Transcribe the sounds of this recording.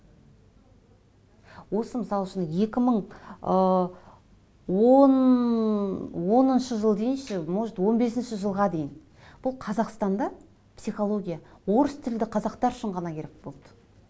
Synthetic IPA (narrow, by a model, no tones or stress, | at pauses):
wo̞səmɪsɑlˠəʃənje̞kʲɪməɴə | won | wo̞nənʃəʒəlˠd̪e̞jɪnʃɪmoʒt̪wo̞nbe̞sɪnʃɪʒəlˠʁɑd̪e̞jɪn | b̥ʊlˠqʰɑzɑqst̪ɑnd̪ɑ | psijχo̞lˠo̞ɡʲijawo̞ɾəst̪ʰɪld̪ɪqʰɑzɑqt̪ɑɾʏʃɪɴʁɑnɑkʲʰe̞ɾek̚bo̞lˠd̪ə̥